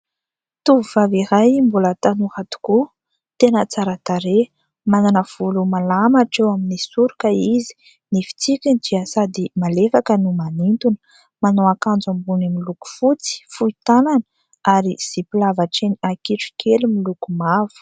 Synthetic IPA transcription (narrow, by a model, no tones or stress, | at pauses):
t̪uvuvaviɾajmbulət̪anuhat̪u̥ku | t̪enət͡saɾat̪aɾe | mananəv̥ulumalamaʈ͡ʂewaminisuɾukəizi̥ | nifi̥t͡sikʲind͡ʒiasad̪imalefakənumanint̪unə̥ | manoakand͡zambunimiluku̥fut͡si̥fuit̪ananə̥ | aɾiz̥ipilavaʈ͡ʂeniakiʈ͡ʂi̥kʰelimilukumav̥u̥